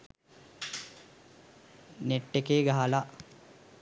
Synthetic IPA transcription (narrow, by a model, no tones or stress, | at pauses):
neʈːekeːɡaɦala